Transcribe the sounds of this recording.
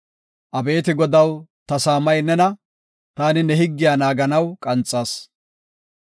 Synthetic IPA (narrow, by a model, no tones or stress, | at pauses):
ʔɐbe̞ːt̪ɪɡɔd̪ɐwt̪ɐsaːmɐjnɛnɐ | t̪aːnɪnɛɦɪɡːɪjaːnaːɡɐnɐwkʼɐnt͡sʼːaːs